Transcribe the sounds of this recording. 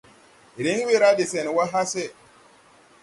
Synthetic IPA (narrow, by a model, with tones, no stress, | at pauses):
ɾi˨˦n˦we˦ɾa˦de˨se˨n˨wa˦ɦa˦se˦˨